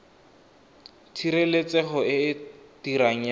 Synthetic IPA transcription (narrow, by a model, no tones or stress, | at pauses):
tʰiɾelet͡sɛχɔɪtiɾaŋ̩j